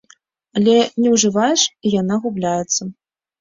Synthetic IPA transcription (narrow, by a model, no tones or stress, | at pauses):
alʲɛnʲɛwʐɨvajɛʂijanaɣublʲajɛt̪sːɐ